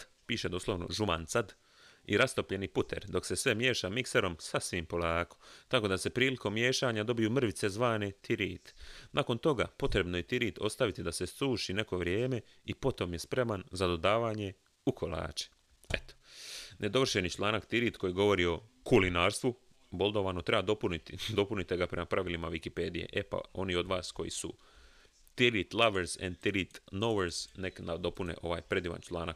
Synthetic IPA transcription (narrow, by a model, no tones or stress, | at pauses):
piːʃed̪oːslˠoʋno̞̰ʒuma̰nt̪sad̪ | ḭɾast̪o̞pʎe̞niput̪ʰe̞̰ɾd̪o̞kse̞sʋe̞mje̞ːʃamikseɾo̞msasʋimpo̞laːko̥t̪ako̞d̪ase̞pɾiːliko̞mːje̞ːʃaːɲad̪o̞bijumr̩ʋit̪se̞zʋaːnet̪ʰiɾiːt̪naːko̞nt̪o̞ɡa̰po̞t̪ɾe̞bnoje̞t̪iɾiːt̪ʰo̞st̪aʋit̪id̪ase̞st̪uːʃine̞ko̞ʋɾjeːme̞ | ipo̞t̪o̞mje̞spɾe̞manzad̪o̞d̪aːʋaːɲe̞ | ukʰolˠa̰ːt͡ʃe̥ | et̪o̥nʔe̞d̪o̞ʋrʃenit͡ʃlˠaːnakt̪iɾiːt̪ko̞jiɡo̞ʋo̞ɾio̞kulinaːɾst̪ʋu | bo̞lˠd̪oʋaːnot̪ɾe̞bad̪opunit̪id̪o̞punit̪eɡapɾe̞mapɾaʋilimaʋikipe̞ːd̪ije̞̰ʔepa̰o̞nio̞d̪ʋaːsko̞jḭsu | t̪iɾit̪lˠaʋeɾz̥ḛnd̪t̪iɾit̪noʋeɾz̥neknad̪o̞punḛʔo̞ʋaːjpɾe̞d̪iːʋa̰nt͡ʃlˠa̰ːnak